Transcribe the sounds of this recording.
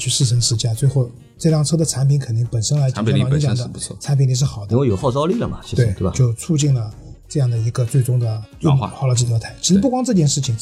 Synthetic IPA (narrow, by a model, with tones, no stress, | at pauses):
t͡ɕʰy˥˧ʂɻ̩˥˩ʂʰə˧˥nʂɻ̩˥˧t͡ɕja˥˩t͡swe˥˧ɪxo˥˧ʊ | ʈ͡ʂɤ˥˧ljɑ˥˩ŋʈ͡ʂʰɤ˥d̪ə˨t͡sʰa˧˥npʰi˧˥nŋkʰə˨˩nt̪i˥˩ŋpə˨˩nʂə˥nla˧˥ɪ˥˧˥ɑ˧˩n˧i˥t͡ɕjɑ˨˧˩ŋd̪ə˧˥˧t͡sʰa˧˥np̬ʰi˧˥nt̪i˧˩˥ʂɻ̩˥˩xɑ˨˩ʊd̪ə˥wjo˨˩˦xɑ˥˩ʊt͡sɑ˥ʊli˥˩lə˩mɐ̰˩i˧˥e˥˩ɪ˥t̪e˥˩˧t͡ɕjo˥˧ʊt͡sʰu˥˧t͡ɕi˥˩ŋlə˩ | ʈ͡ʂɤ˥˧jɑ˥˩ŋd̪ə˩i˧˥ɡə˧t͡swe˥˩ɪʈ͡ʂʊ˥ŋd̪ə˨˥˧m̰˧˩xa˥˩ʊla˧˥ʈ͡ʂɻ̩ʰ˥˩˧t̪ʰt͡ɕʰi˧˥ʂɻ̩˧˥p̬u˥˩kwɑ˥ŋʈ͡ʂɤ˥˧t͡ɕjɛ˥˧nʂɻ̩˥˩t͡ɕʰi˨˩ŋ